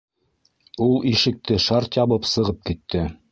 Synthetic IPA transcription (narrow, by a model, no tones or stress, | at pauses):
ulˠiʃɘ̆k̚t̪ɘʃɑɾt̪jɑβɤpsɤ̆ʁɤp̚kit̪ʰːɘ